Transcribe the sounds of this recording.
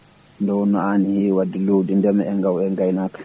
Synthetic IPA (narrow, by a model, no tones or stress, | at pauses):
ndɔwnɔanihiwadiloːdindɛmɛɛŋɡawɛŋɡajnakḁ